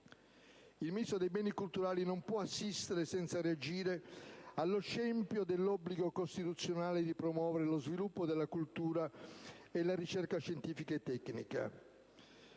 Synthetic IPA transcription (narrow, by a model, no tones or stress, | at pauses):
ilmiisod̪ejbɛːnikult̪uɾaːlinompwɔasːist̪eɾesɛnt̪saread͡ʒiːɾealːoʃɛmpjod̪elːɔbliɡokost̪it̪ut̪sːjonaːled̪ipɾomwɔːveɾelozvilupːod̪elːakult̪uːɾa | elaɾit͡ʃɛrkaʃent̪iːfikaet̪ːɛknḭka̰